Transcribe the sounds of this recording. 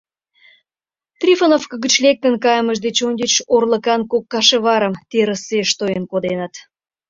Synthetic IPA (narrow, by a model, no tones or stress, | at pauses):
t̪rʲifənofkəɡət͡ɕlek̚t̪ənkɑjəməʒd̪et͡ɕonʲɡʲet͡ɕorləkɑnkokːɑʃeβɑɾəmt̪eɾəseʃt̪ojənkod̪enət̪